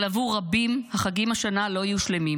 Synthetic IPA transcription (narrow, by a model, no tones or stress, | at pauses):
lavuʁabimhaχaɡimaʃanalo̞ajuʃle̞mi